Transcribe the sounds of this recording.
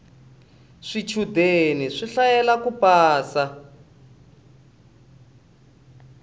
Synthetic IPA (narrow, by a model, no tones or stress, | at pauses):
ʂit͡ʃʰudeniʂiɬajɛlakupaːsa